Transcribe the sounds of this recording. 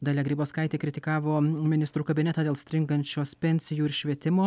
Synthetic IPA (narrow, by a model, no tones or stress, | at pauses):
d̪ɐlʲɛɡɾʲiːboːskɐɪt̪ʲeːkɾʲɪt̪ʲɪkɑːʋoːmʲɪnʲɪst̪ɾuːkɐbʲɪnʲɛt̪ɐːd̪ʲeːlˠsʲt̪ʲɾʲɪŋɡɐnʲt͡ʃʲoːspʲɛnʲsʲɪjuːɪɾʃʲʋʲiɛt̪ʲɪmoː